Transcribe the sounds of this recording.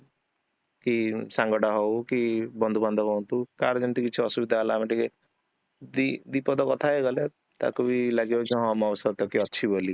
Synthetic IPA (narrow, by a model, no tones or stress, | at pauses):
kisaŋɡɔɽaɦɔwkibɔnd̪ʱuband̪ʱɔɦɔ̃nt̪ukaɾd͡ʒɔnt̪ikit͡ʃʰiɔsubid̪ʱaːlaːmiʈike | d̪id̪ipɔd̪ɔkɔt̪ʰaeɡɔle | t̪a̰kubilaɡibɔkiɦɔ̃mɔwsɔt̪ɔkiɔːʃʰiboli